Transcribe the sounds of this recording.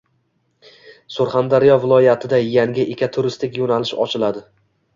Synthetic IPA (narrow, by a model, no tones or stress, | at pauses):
sʊɾχand̪aɾijɒvɪlˠɒjat̪ʰɪd̪ajaŋɡʲɪʔekʲʰat̪ʰʊɾɪst̪ʰɪkʲjonalɪʃɒ̰t͡ʃʰɪlad̪ɪ